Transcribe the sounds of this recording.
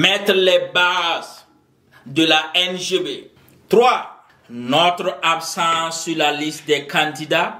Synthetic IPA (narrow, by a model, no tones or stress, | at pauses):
mɛtɾlɛbaz | dəlaɛnʒebe | t̪ɾwa | nɔtɾabsãsylalistdɛkãndida